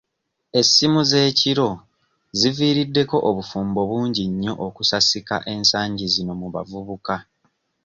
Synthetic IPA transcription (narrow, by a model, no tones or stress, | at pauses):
e̞simuze̞ːciɾo̞ | ziviːɾidːe̞ko̞ʔoβufuːmbo̞βuːɲɟiɲːo̞ʔokusasika̰ʔe̞ːnsaːɲɟizino̞muβa̰vuβuka